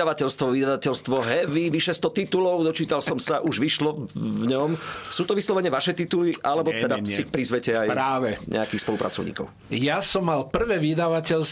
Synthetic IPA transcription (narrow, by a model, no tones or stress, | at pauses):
aʋacɛlst̪ʋɔʋid̪aʋacɛʎst̪ʋɔɦɛʋiʋiʃɛst̪ɔt̪it̪ulɔʊd̪ɔt͡ʃiːt̪alsɔmsaʔuʒʋiʃlɔvɲɔmsuːt̪ɔʋislɔʋɛɲɪɛʋaʃɛt̪it̪uliʔalɛbɔt̪ɛd̪asipɾizʋɛcɛajɾaːʋɛɲʔɛ̰akiːxspɔlupɾʔa̰t͡sɔ̰ʊɲḭːkɔ̰ʊ | jasɔmːalpr̩ʋɛːʋid̪aʋacɛls